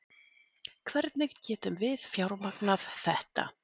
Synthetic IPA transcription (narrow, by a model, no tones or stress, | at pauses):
kʰvɛɾt̪nɪɣcɛːt̪ʏmvɪðfjawɾmaknafθɛht̪a̰